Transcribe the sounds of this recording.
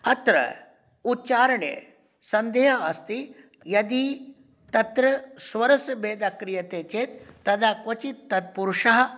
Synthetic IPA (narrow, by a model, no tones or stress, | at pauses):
ɐt̪ɾɐ̰ | utːt͡ʃaːɾɐɳḛ | sɐnd̪eːɦɐɐst̪i | jɐd̪i | t̪ɐt̪ɾɐsʋɐɾɐsɐbeːd̪akɾijɐt̪eːt͡ʃeːt̪ːɐd̪akʋɐt͡ʃit̪t̪ːɐd̪̚puɾuʂɐɦɐ